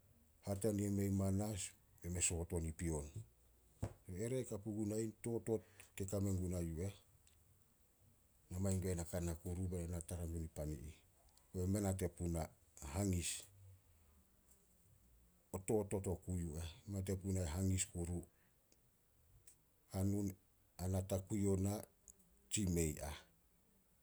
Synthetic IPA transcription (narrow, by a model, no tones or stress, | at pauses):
hat̬aniemejmanas | eme̞so̞to̞nipio̞n | soeɾekapuɡunajnto̞to̞tkekame̞ŋɡunajue̞ | namajŋɡenakanakuɾubeɾenataɾamɡunipanḭʔi | oeme̞nat̬e̞puna | haŋis | oto̞to̞to̞kujuemat̬e̞punaeɦaŋiskuɾu | hanun | anatakujona | t͡ʃime̞ja